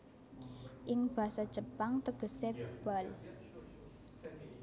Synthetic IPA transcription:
ʔɪŋb̥ä̤sad̥d͡ʒ̥əpaŋt̪əɡ̥ə̤seb̥al

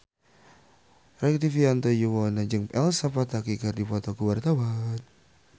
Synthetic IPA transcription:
rɛk̚t̪ifiant̪ɔjuwɔnad͡ʒɨŋpɛlsapat̪akikərdipɔt̪ɔkəwart̪awan

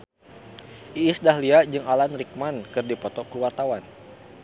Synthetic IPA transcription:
ʔiːsdaɦliad͡ʒɨŋalanrik̚mankɨrdipɔt̪ɔkuwart̪awan

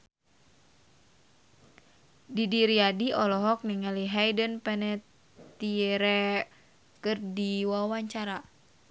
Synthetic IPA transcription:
didiɾiadiɔlɔɦɔk̚niŋaliɦajdənpɛnɛt̪ | iɛɾɛ | kɨrdiwawaɲt͡ʃaɾa

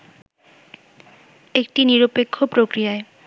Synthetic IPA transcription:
ek̚ʈiniɾopekʰːopɾokɾijae

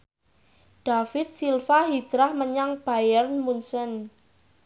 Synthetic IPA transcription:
ɖ̥afɪt̪̚silfaɦi̥d͡ʒ̥ɾahməɲaŋb̥ajərnmunsən

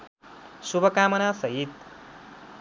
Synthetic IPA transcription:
subʱʌkaːmʌnasʌɦit̪

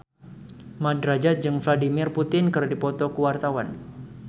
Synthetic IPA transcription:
madɾad͡ʒat̪̚d͡ʒɨŋfladimɪrput̪ɪnkɨrdipɔt̪ɔkəwart̪awan

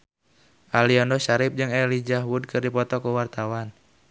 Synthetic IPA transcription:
ʔaliɔndɔʃaɾɪp̚d͡ʒɨŋɛlid͡ʒahwud̚kɨrdipɔt̪ɔkəwart̪awan

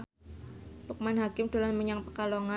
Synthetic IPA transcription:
luk̚manɦakɪmd̥olanməɲaŋpəkaloŋa

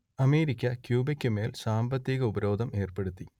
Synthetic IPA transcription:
ɐme̞ːɾikʲːɐkjuːbekʲːɨme̞ːlsaːmbɐt̪ːiɣɐubɐɾo̞ːd̪ʱɐme̞ːrpe̞ɽut̪ːi

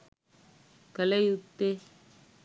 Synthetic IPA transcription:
kɐlɐjut̪ːe

